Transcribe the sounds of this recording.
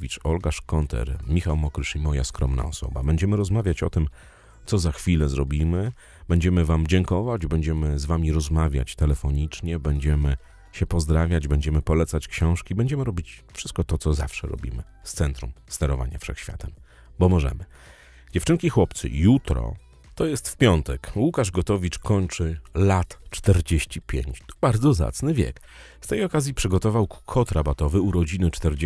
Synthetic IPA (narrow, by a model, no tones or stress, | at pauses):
vʲit͡ʂɔlɡaʂkɔnt̪ʰɛ̰ɾmʲixawmɔkɾɘʂimɔjaskɾɔmna̰ɔsɔ̰ba̰bɛɲd͡ʑɛmɘɾɔzmavʲjat͡ɕɔt̪ɘm | t̪sɔzaxfʲilɛzɾɔbʲimɘ | bɛɲd͡ʑɛmɘvamd͡ʑɛŋkɔvad͡ʑbɛɲd͡ʑɛmɘzvamʲiɾɔzmavʲja̰t͡ɕt̪ɛlɛfɔɲit͡ʂɲɛbɛɲd͡ʑɛmɘ | ɕɛpɔzd̪ɾavʲjad͡ʑbɛɲd͡ʑɛmɘpɔlɛt̪sat͡ɕkɕɔ̃w̃ʂkʲibɛɲd͡ʑɛmɘɾɔbʲit͡ɕfʂɘst̪̚kɔt̪ɔt̪ɔzafʂɛɾɔ̰bʲḭmɘ | st̪sɛnt̪ɾumst̪ɛɾɔva̰ɲa̰fʂɛ̰xɕfʲja̰t̪ɛm | bɔmɔʐɛ̰mɘ | d͡ʑɛft͡ʂɘŋkʲixwɔpt̪sɘ̰jut̪ɾɔ̰ | t̪ɔjɛst̪fpʲjɔnt̪ɛkwukaʐɡɔt̪ɔvʲit͡ʂkɔɲt͡ʂɘlat̪t͡ʂt̪ɛɾd͡ʑeɕt͡ɕipʲjḛɲt͡ɕt̪ɔ̥baɾd̪zɔza̰t̪snɘvʲjɛ̰k | st̪ɛjɔkazʲjipʂɘɡɔt̪ɔvawkʰɔt̪ɾabat̪ɔvɘuɾɔd͡ʑinɘt͡ʂt̪ɛɾd͡ʑ